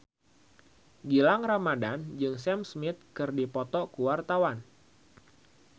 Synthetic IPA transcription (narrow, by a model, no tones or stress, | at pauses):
ɡilaŋramadand͡ʒɨŋsɛmsmɪt̪̚kɨrdipɔt̪ɔkuwart̪awan